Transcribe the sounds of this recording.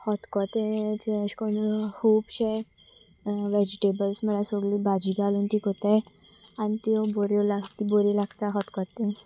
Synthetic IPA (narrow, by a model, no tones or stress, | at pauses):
hɔt̪kɔt̪ẽd͡ʑeɕkonikuːbɕe | ʋed͡ʑiʈebəlsməlasoɡliːbad͡ʑiːɡʱalunt̪iːkot̪a | anit̪ioboɾelaɡt̪iboɾilaɡt̪aɦɔt̪kɔt̪ẽ